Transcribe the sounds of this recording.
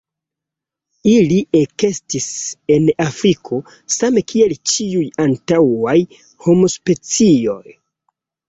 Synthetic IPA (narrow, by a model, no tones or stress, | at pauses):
iliʔeke̞stise̞nafɾikʰo̞ | same̞kʰie̞lt͡ʃiujantawaj | ho̞mo̞spe̞t͡sio̞̰j